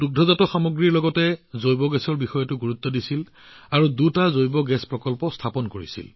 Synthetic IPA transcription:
duɡ̚dʱɔzatɔxamoɡɹiɹlɔɡɔtɛzojbɔɡɛsɔɹbixɔjɔtʊɡuɹut̪ːɔdisil | aɹudutazojbɔɡɛspɹɔkɔlpɔstʰapɔnkoɹḭsḭl

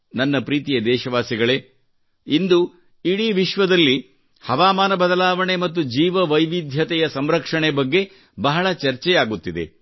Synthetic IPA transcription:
nɐnːɐpɾiːt̪ijɐd̪ɛːʃɐʋaːsiɡɐɭe | ind̪u | iɽiʋiʃʋɐd̪ɐlːi | hɐʋaːmaːnɐbɐd̪ɐlaːʋɐɳe̞mɐt̪ːud͡ʒiːʋɐʋɐjʋid̪ʱjɐt̪ɛjɐsɐmɾɐkʂɐɳebɐɡːe̞ | bɐɦɐɭɐt͡ʃɐɾt͡ʃɛjaːɡut̪ːid̪e̞̰

